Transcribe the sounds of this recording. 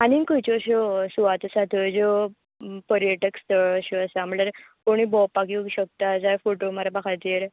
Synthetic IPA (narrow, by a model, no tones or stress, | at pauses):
añikət͡ɕɔɕɔsuʋat̪əsat̪əd͡zo | pəɾjeʈəkst̪əɭəɕoəsam̤əɳaɾkoɽ̃iːbɔpːakiɕək̚t̪ad͡zajfoʈomaɾabakʰat̪eɾ